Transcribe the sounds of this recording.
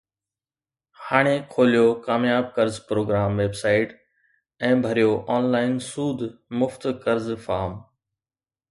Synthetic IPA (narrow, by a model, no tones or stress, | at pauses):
haːɽ̃ekʰoːlijokaːmjaːb̚kɐɾzpɾoːɡɾaːmʋeːbsaːɪʈ | ɛ̃ːbʱɐɾijoʔaːnlaːɪnsuːd̪ʱmʊft̪kɐɾzfaːm